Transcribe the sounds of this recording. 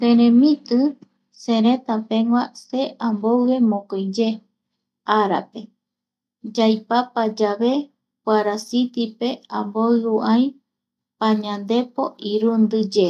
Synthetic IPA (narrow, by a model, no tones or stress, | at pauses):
kẽɾẽmĩt̪ɨ | sẽɾẽt̪apẽŋwase̞ʔãmbowe̞mõkojd͡ʒe̞ | aɾa̰pe̞ | d͡ʒajpapad͡ʒaβe̞ | pwaɾasit̪ipe̞ãmboɨuʔãj̃ | paɲãnd̪e̞poʔiɾund̪ɨd͡ʒe